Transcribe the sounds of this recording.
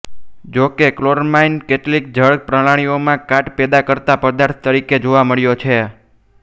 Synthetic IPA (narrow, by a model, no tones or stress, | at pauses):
d͡ʒokekloɾmainkeʈlik̚d͡ʒəɭk̚pɾəɭaɽ̃iomãkaʈpɛd̪akəɾt̪apəd̪aɾt̪ʰt̪əɾiked͡ʒoʋaməɭjot͡ʃʰe